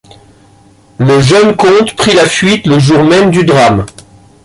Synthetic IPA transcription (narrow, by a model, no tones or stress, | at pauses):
ləʒənkɔ̃t̪pχilafɥit̪ləʒuʁmɛmd̪yd̪ʁam